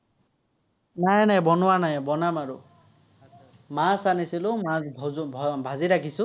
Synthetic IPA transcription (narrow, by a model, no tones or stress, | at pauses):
najnajbɔnɔwanajbɔnamaɾu | masanisilumasbʱbʱaziɾakʰisu